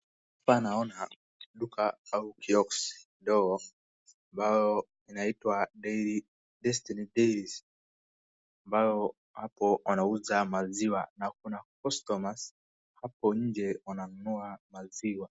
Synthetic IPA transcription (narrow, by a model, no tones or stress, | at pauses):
apanaɔna | ɗukʰaaukʰiɔksndɔɡɔ | ambajɔ | inaitwaɗɛ | dɛstinidɛɾis | ambajɔ | hapɔwanauzamaziwanak̚unakɔstɔmas | hapɔɲ̩d͡ʒɛwananunuamaziwa